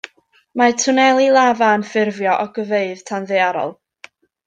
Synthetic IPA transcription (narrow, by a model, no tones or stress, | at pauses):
matʰʊnɛlˠilˠavanfɪrvjɔʔɔɡ̥əveɨðtʰanðeaɾɔ̰lˠ